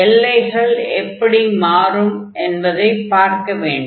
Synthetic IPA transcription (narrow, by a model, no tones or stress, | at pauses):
ɛlːɐɪɣɐɭɛpːɐɽimaːrɯmʔɛnbɐðɐɪpːaːɾkɐʋeːɳɖ